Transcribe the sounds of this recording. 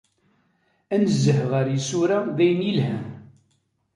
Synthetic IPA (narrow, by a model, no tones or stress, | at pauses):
ænəzːəhʁəɾjisuɾaðæjənjilhæ